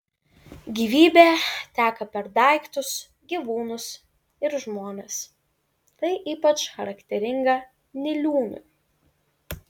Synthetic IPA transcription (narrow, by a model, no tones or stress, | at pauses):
ɡʲiːʋʲiːbʲeːt̪ʲæːkɐpʲɛɾd̪ɐˑɪkt̪ʊs | ɡʲiʋuːnʊs | ɪɾʒmoːnʲes | t̪ɐɪʔiːpɐt͡ʃxɐɾɐkt̪ʲɛɾʲɪŋɡɐ | nʲɪlʲuːnʲʊ̰